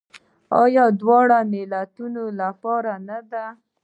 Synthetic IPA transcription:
ɑjɑd̪wɑɽamɪlat̪unolapɑɾanad̪a

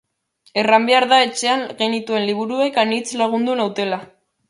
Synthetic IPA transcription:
e̞rambeaɾðae̞t͡ʃe̞aŋɣe̞nit̪ue̞nliβ̞uɾue̞kanit͡slaɣ̞und̪unawt̪e̞la

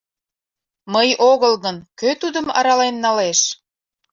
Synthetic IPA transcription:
məjoɣəlɣənkøt̪ud̪əmɑ̰ɾɑlenːɑleʃ

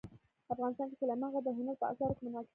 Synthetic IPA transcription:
afɣɑnɪst̪ɑnkesəlamaɣad̪əɦɪnad̪̚pəɑ̰sɑɾkemənwɑk

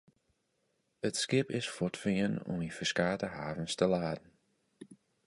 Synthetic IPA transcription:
ətskɪpɪsfɔtfiənɔ̰mifəskaːtəhaːvənstəlaːdn̩

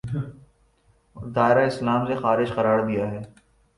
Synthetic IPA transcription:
d̪aːɪɾaɪslaːmsexaːɾɪʃqɐɾaːɾd̪ijaɦɛː

